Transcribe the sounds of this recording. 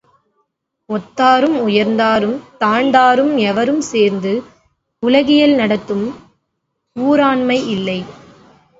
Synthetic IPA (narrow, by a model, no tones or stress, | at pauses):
ɔt̪ːaːɾɯmʊjɐɾnd̪aːɾɯmt̪aːɳd̪aːɾɯmɛʋɐɾɯmseːɾnd̪ɯ | ʊlɐɣɪjɐlnɐɽɐt̪ːɯm | uːɾaːɳmɐɪɪlːɐɪ